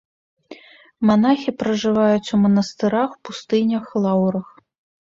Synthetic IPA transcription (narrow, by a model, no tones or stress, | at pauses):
manaxʲipɾɐʐɨvajut͡sʲumɐnɐst̪ɨɾaxpust̪ɨnʲɐxlˠawɾɐx